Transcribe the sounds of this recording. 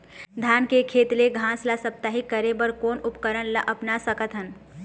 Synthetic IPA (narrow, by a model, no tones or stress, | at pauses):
d̪ʱankekʰet̪leɡʱãslasəp̚t̪aɦikəɾebəɾkoːnupkəɾənlaʔəpnasəkət̪ɦən